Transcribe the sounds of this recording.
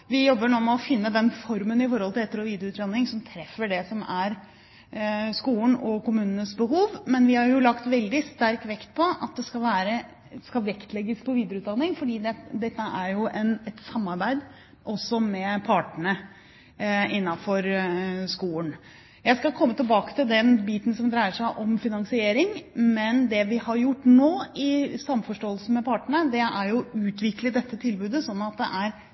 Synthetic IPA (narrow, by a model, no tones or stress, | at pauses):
ʋɪjɔbːəɳuːmɛɔfɪnːəd̪ɛnfɔɾmənɪfɔɾhɔlt̪ʰɪlɛt̪ːəɾɔʋiːd̪əɾəʉːt̪d̪ɑnːɪŋsɔmt̪ʰɾɛfəɖɛsɔmæɾ | skuːənɔkʊmʉːnənəsbəɦuːʋmɛnʋɪhɑɾjʊlɑkt̪ʋɛld̪ɪst̪æɾkʋɛkt̪̚pʰɔʔɑ̰t̪̚d̪ɛskɑlʋæːɾə | skɑʋɛkt̪lɛɡːəspʰɔʋiːd̪əɾəʉːt̪d̪ɑnːɪŋfɔɖiːd̪ɛd̪ɛt̪ːəʔæɾjʊʔɛnɛt̪sɑmːɑɾbæɪd̪ | ʔɔsːɔmɛpʰɑːʈəɳə | ɪnːɑfɔɾskuːən | jæɪskɑkʰɔmːət̪ʰɪlbɑːkə̥t̪ʰɪld̪ɛnbiːt̪n̩sɔmd̪ɾæɪəʂæɪʔɔmfɪnɑŋsɪeːɾɪŋmɛnd̪ɛʋɪhɑɾjʊʈːnoːɪsɑmːfɔʂʈoːəlsn̩mɛpʰɑːʈəɳəd̪ɛæɾjʊʉːt̪ʰʋɪkləd̪ɛt̪ːət̪ʰɪlbʉːd̪əsɔnːɑt̪̚d̪ɛ̰ʔæɾ